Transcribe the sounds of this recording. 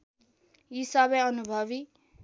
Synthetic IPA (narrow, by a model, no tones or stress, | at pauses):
isabʌjʌnubʱʌβi